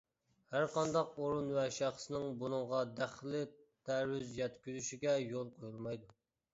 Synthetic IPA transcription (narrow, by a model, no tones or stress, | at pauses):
hæɾqɑnd̪ɑqoɾunvɛʃæχsɨnɪŋbunɨŋʁɑd̪æχlɪ | t̪ʰæwyzjɛt̪kʲyzyʃiɡʲɛjolˠqʰojulˠmɑjd̪u